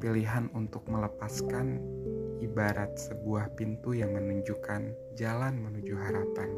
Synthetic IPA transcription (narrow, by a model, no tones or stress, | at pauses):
piliɦanunt̪ʊk̚mələpaskanibaɾat̪̚səbuahpint̪ujaŋmənuɲd͡ʒukan | d͡ʒalanmənud͡ʒuɦaɾapan